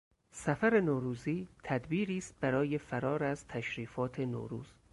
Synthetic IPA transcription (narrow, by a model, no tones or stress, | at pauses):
sæfæɾe̞noːɾuːziːt̪ʰæd̪biːɾiːst̪̚b̥æɾɒːje̞fæɾɒːɾæzt̪ʰæʃɾiːfɒːt̪ʰe̞no̰ːɾṵːz̥